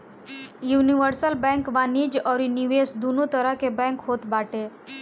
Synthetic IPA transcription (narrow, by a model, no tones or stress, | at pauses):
juniʋəɾsəlbɛ̃ŋkʋanid͡ʑəɾiniʋesd̪unut̪əɾakebɛ̃ŋkɦot̪baʈe